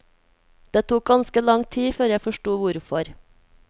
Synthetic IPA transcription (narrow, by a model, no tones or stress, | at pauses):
d̪̥eːt̪ʰuːk̚ɡɑnskəlɑŋt̪ʰiːføːɾjæfɔʃʈuːʋʊɾfɔɾ